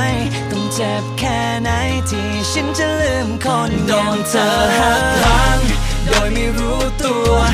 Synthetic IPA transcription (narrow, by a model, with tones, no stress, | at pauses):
jt̪ɔ˧˩ŋt͡ɕe˨˩p̚kʰɛː˧˩ | na˧˥jt̪ʰiː˧˩ | ɕʰa˦˥nt͡ɕa˧˨lɯː˧˩mkʰo˧ndɔː˧ŋt̪ʰɤː˧ha˨˧˩k̚la˧˦˥n | doː˧jma˥˩jɾuː˦˥t̪u˧ə